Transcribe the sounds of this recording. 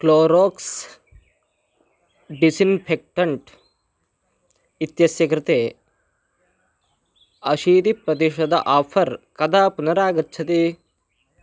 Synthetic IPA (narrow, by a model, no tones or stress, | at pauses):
kloːɾoːks | ɖisinpʰek̚ʈɐɳʈ | it̪jɐsjɐkɾɪt̪eː | ɐʃiːd̪ipɾɐd̪iʃɐd̪ɐ̰ʔaːpʰɐɾkɐd̪aːpunɐɾaːɡɐtːt͡ʃʰɐt̪i